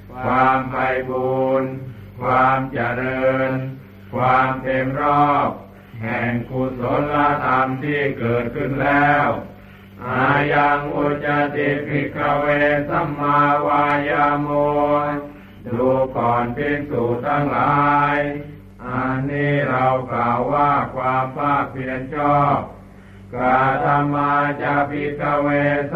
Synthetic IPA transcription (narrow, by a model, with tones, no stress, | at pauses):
kʰwaː˧mpa˧jbuː˧n | kʰwaː˧mt͡ɕa˧˩˨ɾɤː˧n | kʰwaː˧mpe˧nɾɔː˥˩p̚ | hɛː˨˩ŋkʰu˧so˨˦nla˧˥t̪ʰa˧mt̪ʰiː˥˩kɤː˨˩t̪̚kʰɯ˥˩nlɛː˥˩w | ʔaː˨˧ja˧ŋʔu˧t͡ɕa˧t̪i˧˩p̚mi˧˥˩kʰa˧weː˧nsa˧˥˩mːaː˧waː˧jaː˧mo˧ | duː˧kʰɔː˨˩npe˧˥nsuː˨˩t̪ʰaː˧˥˩ŋlaː˨˦˨j | ʔa˧nːiː˥˩ɾa˧wklaː˨˩wːaː˥˩kʰwaː˧mpaː˧˥˩k̚pi˧ʔa˧nt͡ɕɔː˥˩p̚ | ka˧˩t̪ʰa˧mːaː˧t͡ɕa˧˩pʰi˧˥kʰaː˧˩weː˧s